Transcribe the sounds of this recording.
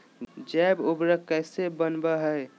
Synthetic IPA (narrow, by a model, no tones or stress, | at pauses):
d͡ʒɛbubɾəkɛːsebənbaɦɛe